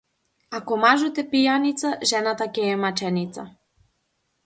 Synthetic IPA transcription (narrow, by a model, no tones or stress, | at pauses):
akɔmaʒut̪ɛpijanit̪saʒɛnat̪akɛːmat͡ʃɛnit̪sa̰